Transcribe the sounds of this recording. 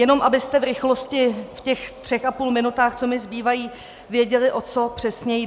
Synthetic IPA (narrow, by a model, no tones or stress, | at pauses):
jɛno̞mʔabɪst̪ɛvɾɪxlo̞scɪfcɛxt̪r̥ɛxapuːlmɪnut̪aːxt͡so̞mɪzbiːvajiː | vjɛɟɛlɪʔo̞t͡so̞pr̝̥ɛsɲɛj